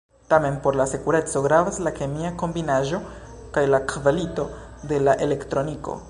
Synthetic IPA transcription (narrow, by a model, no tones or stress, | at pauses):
tame̞npo̞ɾlase̞kuɾe̞t͡so̞ɡɾavaslake̞miako̞mbinaʒo̞ | kajlakvalito̞ | de̞laʔe̞le̞ktɾo̞niko̰